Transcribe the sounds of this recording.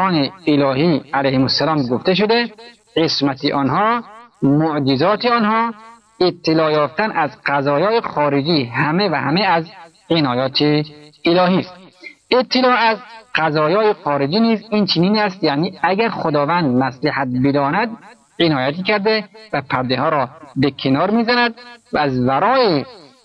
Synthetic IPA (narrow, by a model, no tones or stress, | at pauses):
ɒːneːlɒːɦiːælæjhemosːælɒːmɡoft̪eʃ̬od̪e | ɢesmæt̪ʰeʔɒnɦɒːmoʔd͡ʒizɒːt̪ʰeɒnhɒː | et̪ʰːelɒːjɒːft̪ænʔæzqæzɒːjɒːexɒːɾed͡ʒiːɦæmevæhæmeæz | enɒːjɒːt̪ʰeelɒːhiːst̪et̪ʰːelɒːæzqæzɒːjɒːexɒːɾed͡ʒiːniːziːnt͡ʃʰeniːnæst̪janiːæɡæɾxod̪ɒːvænd̪̚mæslehæt̪̚bed̪ɒːnæd̪̚ | enɒːjæt̪iːkæɾd̪evæpʰæɾd̪ehɒːɾɒːbekʰenɒːɾmiːzænæd̪̚væːzvæɾɒːe